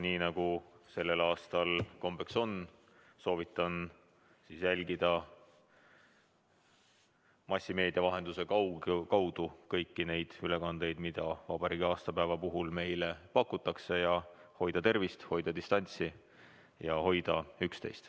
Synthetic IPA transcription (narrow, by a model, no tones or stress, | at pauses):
niːnɑɡ̥use̞lːe̞lɑːst̪ɑlko̞mbekso̞n | so̞ːvit̪ːˑɑn | siːsjælʲɡid̪̥ɑ | mɑsʲːime̞ːd̪̥ʲiɑvɑɦe̞nd̪̥use̞kɑwkɑwd̪̥ukɤjkːine̞jd̪̥yle̞kɑnd̪̥ejd̪̥mid̪̥ɑvɑb̥ɑɾiːɡ̥iɑːst̪ɑpæevɑpuɦulme̞jlepɑkːˑut̪ːˑɑkse̞jɑho̞jd̪̥ɑt̪e̞rvist̪ho̞jd̪̥ɑd̪ist̪ɑnʲt̪si | jɑho̞jd̪̥ɑykst̪e̞̰jst̪